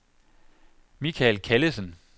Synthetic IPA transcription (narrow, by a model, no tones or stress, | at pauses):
mikʰælkʰæləsən